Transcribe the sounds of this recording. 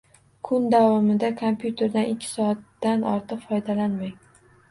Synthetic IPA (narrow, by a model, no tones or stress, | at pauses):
kʰʊnd̪avɒmɪd̪akʰompjut̪ʰe̞ɾd̪anɪkʲʰːɪ̥sɒat̪ːanɒ̰ɾt̪ʰɨqfɒjd̪alanmaj